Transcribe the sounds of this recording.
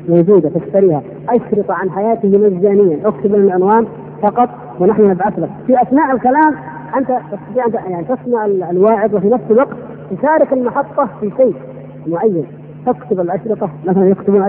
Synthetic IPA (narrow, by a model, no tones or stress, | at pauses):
moːd͡ʒuːd̪at̪ɪft̪aɾiːha | ʔaʃɾɨt̪ˤɑʕanħajaːt̪ɪhmazːaːnɪjːanʔʊkt̪ʊbɪnɪlʕɪnwaːn | fɑqɑt̪ˤ | wɪnaħnʊnɪbʕaθlakfiʔaθnaːʔɪlkalaːm | ʔɪnt̪at̪ɨst̪ɑt̪iːʕɪnt̪ajaʕnit̪ɪsmaʕɪllwaːʕɪd̪wɪfinafsɪlwɑɡt̪ | t̪ɪʃaːɾɪkɪlmɑħɑt̪ˤːɑfiseː | mʊʕajːan | t̪ɪkt̪ʊbɪlʔaʃɾɨt̪ˤɑmaθalanjɪkt̪ʊbuːna